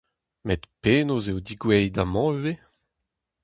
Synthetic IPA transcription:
met̪peːnozeod̪iɡwɛjd̪amɑ̃øwe

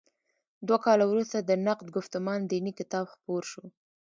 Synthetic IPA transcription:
d̪wakɑlawɾust̪ad̪ənaq̚d̪ɡʊft̪ʊmɑnd̪inikɪt̪ɑbxpoɾʃu

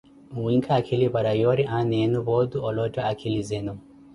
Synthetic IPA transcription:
wiŋkʰaːkʰilibaɾajɔɾiʔanenubɔd̪uɔlɔtɔakʰilizɛnu

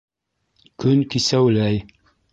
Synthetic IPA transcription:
kɵnkisæwlæj

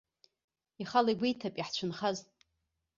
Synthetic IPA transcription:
iχalajɡʷijtʰapʼiħt͡ɕʷʰʊnχaz

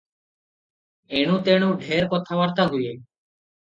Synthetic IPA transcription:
eɽ̃ũt̪eɽ̃uɖʱeɾkɔt̪ʰabaɾt̪aɦuje

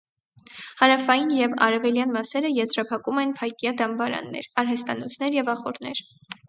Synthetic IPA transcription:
hɑɾɑfɑjinjɛvɑ̰ɾɛvɛljɑnmɑsɛɾəjɛzɾɑpʰɑkumɛnpʰɑjkjɑd̪ɑmbɑɾɑ̰nːɛ̰ɾɑɾɦɛst̪ɑnɔt͡sʰn̪ɛɾjɛvɑχɔɾnɛɾ

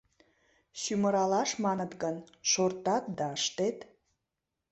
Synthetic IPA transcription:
ɕyməɾɑlɑʃmɑnət̪ɡənʃort̪ɑt̪̚d̪ɑəʃt̪et̪

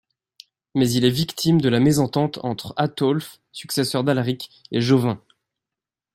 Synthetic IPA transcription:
mɛzilɛvikt̪ʰimd̪əlamezɑ̃t̪ɑ̃t̪ʰɑ̰̃t̪χat̪ɔlf | syksɛsœʁd̪alʁikeʒovɛ̃

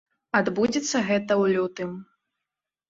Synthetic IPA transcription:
ad̪bud͡zʲit̪sːɐɣɛt̪ɐwlʲut̪ɨm

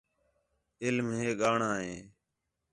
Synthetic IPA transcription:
ɪlmɦeːɠaːɳãːɦeː

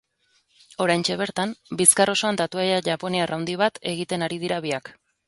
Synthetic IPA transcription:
o̞ɾajnt͡ʃe̞β̞e̞ɾt̪ambiskaro̞so̞and̪at̪uajaʝapo̞nearʔawnd̪iβat̪e̞ɣit̪e̞naɾið̞iɾaβ̞iak

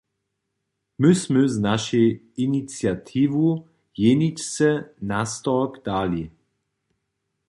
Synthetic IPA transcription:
mɪsməznaʃɛj | init͡sjat̪ʰiːvu | jɛnicsɛnast̪ɔkd̥̪aːli

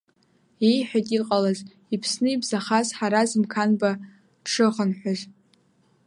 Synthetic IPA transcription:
ejħᶣatʲʼiqʼalaz | ipʰsnɨibzaχazħaɾazmkʰanba | ʈ͡ʂʰɨʁənħʷᶣaʒ

